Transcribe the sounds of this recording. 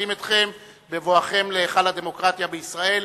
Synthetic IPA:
imet̪χe̞m | bevo̞aχe̞mleːχalad̪e̞mo̞kʁat̪jabeisʁae̞l

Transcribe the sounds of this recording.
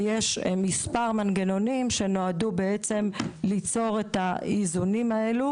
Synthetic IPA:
je̞ʃmispaʁmanɡeno̞nimʃe̞no̞adube̞et͡se̞mlit͡so̞ʁe̞taizunimaelu

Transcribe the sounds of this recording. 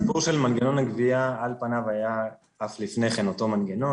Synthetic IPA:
puʁʃelmanɡeno̞naɡviaalpanavaja | aflifne̞χenot̪o̞manɡeno̞

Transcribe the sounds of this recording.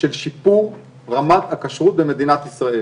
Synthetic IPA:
elʃipuʁ | ʁamat̪hakaʃʁut̪̚beme̞d̪inat̪isʁae

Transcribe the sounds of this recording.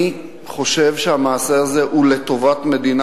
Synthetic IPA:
i | χo̞ʃe̞vʃehamaːseaze̞ʔule̞t̪o̞vatme̞d̪in

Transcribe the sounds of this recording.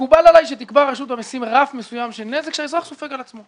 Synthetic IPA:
kubalalajʃet̪ikbaʁaʃut̪amisimʁafmesujamʃenːezekʃaezʁaχsofekalat͡smo̞

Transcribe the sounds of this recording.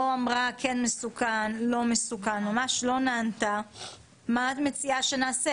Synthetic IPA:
oamʁakʰenmesukanlo̞mesukanmamaʃlo̞naant̪a | mat̪met͡siaʃenaːse

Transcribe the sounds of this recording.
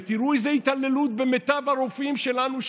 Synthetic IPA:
t̪iɾuezeit̪alelut̪̚bemet̪abaɾofimʃe̞lanuʃ

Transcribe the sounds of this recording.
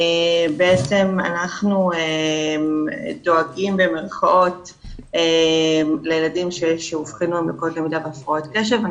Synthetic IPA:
ebeet͡se̞ma̰naχnuemdo̞aɡimbe̞me̞ʁχaʔo̞t | emlejeladimʃeʃeufχinuembekotlemidaveafʁao̞tkeʃ̬eva

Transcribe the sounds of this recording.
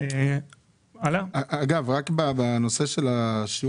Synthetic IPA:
e | alaʔːɡavʁakbabano̞se̞ʃe̞laʃi

